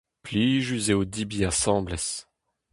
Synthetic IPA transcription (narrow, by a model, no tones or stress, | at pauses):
pliːʒyzeod̪ibiasɑ̃ːblɛs